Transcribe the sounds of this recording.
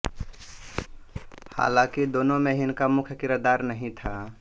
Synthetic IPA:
ha̰ːlãkid̪oːnomeɦinkamʊkʰjkɪɾəd̪aɾnəɦĩt̪ʰa

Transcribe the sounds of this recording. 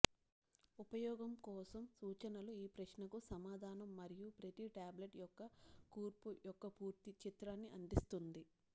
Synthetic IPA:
upɐjɔːɡɐmkɔːsɐmsuːt͡ʃɐnɐluiːpɾɐʃnɐkusɐmaːd̪ʱaːnɐmːɐɾijupɾɐt̪iʈaːbleʈjɔkːɐkuːɾpujɔkːɐpuːɾt̪it͡ʃit̪ɾaːnːiʔɐnd̪ist̪und̪i

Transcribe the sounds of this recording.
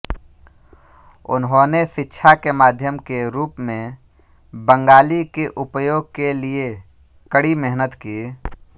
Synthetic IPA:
ʊ̰nɦõːneʃɪtːʃʰakemaːd̪ʱjəmkeɾuːpmẽ | bə̃ŋɡaːlikeʔʊpjoːɡ̚kelie | kəɽimɛɦnət̪kiː

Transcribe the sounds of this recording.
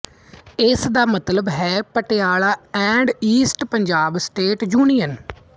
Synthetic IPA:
ɪsd̪aːmət̪ləbɦɛːpəʈeaːɭaːɛ̃ːɳɖiːsʈpəɲd͡ʒaːbsʈeːʈd͡ʒuːniːən

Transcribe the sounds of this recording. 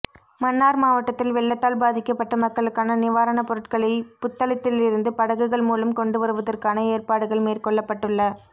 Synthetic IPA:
mɐnːaːɾmaːʋɐʈːɐt̪ːɪlʋɛɭːɐt̪ːaːlbaːðɪkːɐpːɐʈːɐmɐkːɐɭɯkːaːnɐnɪʋaːɾɐnɐpɔɾɯʈkɐɭɐɪpʊt̪ːɐlɐt̪ːɪlɪɾɯnd̪ɯpɐɽɐɣɯɣɐɭmuːlɐmkɔɳɖɯʋɐɾɯʋɐðɐrkaːnɐeːrpaːɽɯɣɐɭmeːrkɔɭːɐpːɐʈːɯɭːɐ

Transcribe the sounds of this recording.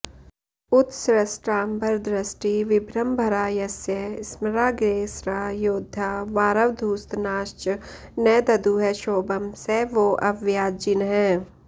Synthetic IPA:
ʊt̪sɾɐsʈɾaːmbɐɾd̪ɾɐsʈiʋɪbʱɾɐmbʱɐɾaːjɐsjəsməɾaːɡɾeːsɾajoːd̪ʱːaʋaːɾəʋd̪ʱuːst̪naːʃt͡ʃ | nɛːd̪ɐd̪uːɦɛʃoːbɐmseʋoʔɐʋjaːd͡ʒɪnɦɛ̃ː

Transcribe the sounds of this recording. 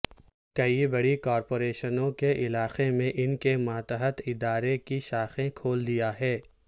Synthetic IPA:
kɐibɐɽikɔːɾpoːɾeːʃənõkeʔɪlaːxemẽʔɪnkemaːt̪əɦət̪ɪd̪aːɾekiʃaːxẽkʰoːld̪ijaɦɛː

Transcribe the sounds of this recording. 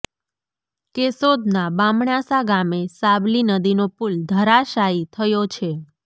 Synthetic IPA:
kesod̪nabamɳasaɡamesablinəd̪inopuld̪ʱəɾaʃait̪ʰəjot͡ʃʰe

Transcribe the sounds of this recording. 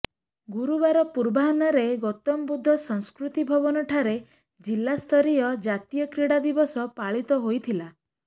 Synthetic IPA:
ɡuɾubaɾɔpuɾbaɦɔnaɾeɡɔt̪ɔmbud̪ʱːɔsɔŋskɾut̪ibʱɔbɔnɔʈʰaɾe | d͡ʒilːast̪ʰɔɾiɔd͡ʒat̪ijɔkɾiɽad̪ibɔsɔpaɭit̪ɔɦojt̪ʰila

